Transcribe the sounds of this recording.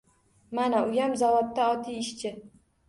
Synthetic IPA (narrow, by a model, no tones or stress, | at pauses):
manaʊjamzavɒt̪ːaɒt̪ʰijɪʃt͡ʃʰɪ